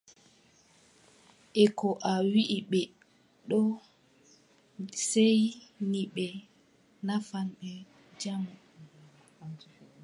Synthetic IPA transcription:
ʔɛkɔʔawiʔiɓɛ | ɗɔ | sejniɓɛ | nafanɓɛ | d͡ʒamu

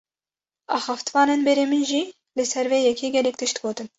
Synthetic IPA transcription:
ɑːxɑft̪vɑːnenbɛɾemɨnʒi | lɨsɛɾveːjɛkʰʲeːɡʲɛlɛk̚t̪ʰɨʃt̪ɡoːt̪ɨn

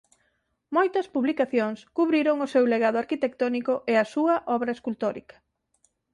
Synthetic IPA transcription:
mojt̪ɐspuβlikaθjoŋskuβɾiɾoŋʊsewleɣaðʊaɾkit̪ek̚t̪ɔnikʊʔeɐsuɐʔɔβɾɐeskult̪oɾḭkɐ̥

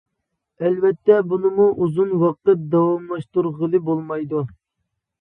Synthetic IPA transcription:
ɛlvɛt̪ʰːɛbunɨmuʔuzunwɑqət̪̚d̪ɑwɑmlˠɑʃt̪uɾʁəlˠɨbolˠmɑjd̪u

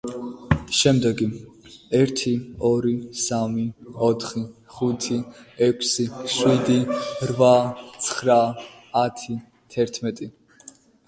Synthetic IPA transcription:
ʃɛmd̪ɛɡiɛɾt̪ʰiɔɾisamiɔt̪ʰχiχut̪ʰiɛkʷʰsiʃwid̪iɾvat̪sʰχɾaː | t̪ʰi | t̪ʰɛɾt̪ʰmɛt̪ʼi

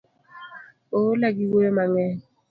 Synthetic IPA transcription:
olaɡiwomaŋɛ

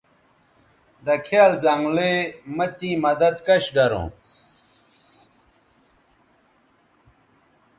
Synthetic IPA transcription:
d̪ɐkʰeaːlzaŋɡlemɐt̪ĩmɐd̪ɐd̪kɐɕɡɐɾõ̰ː

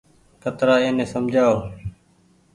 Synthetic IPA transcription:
kət̪ɾaːẽːnẽːsəmd͡ʒʱaːoː

